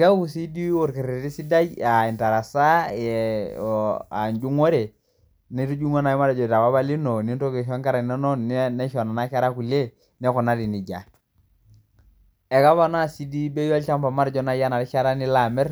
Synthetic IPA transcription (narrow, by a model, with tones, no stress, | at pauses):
ka˦ku˨si˦di˦ɔ˨ɾki˨ɾi˨ti˦si˦da˦ja˨i˨nta˨ɾa˨sa˦jɛ˨ | a˨ɲd͡ʒu˦ŋɔ˦ɾe˨ | ni˦tu˦d͡ʒu˦ŋɔ˦na˨i˦ma˦ɾɛ˨d͡ʒɔ˨ta˨wa˦βa˦li˦nɔ˨ni˦n˦tɔ˦ke˨ʃɔ˦ŋka˦ɾa˨na˦nɔ˦nɛ˦ʃɔ˨na˨na˦ka˦ɾa˦ku˨le˦ | nɛ˦ku˨na˦di˨ni˨ɟa˨ | ɛ˨ka˦βa˦n˦a˨si˦di˦be˦ja˦lt͡ʃa˦mpa˨ma˦ɾd͡ʒɔ˦na˦ja˦na˨ɾi˦t͡ʃa˦ɾa˦ni˦la˨mɛ˦ɾ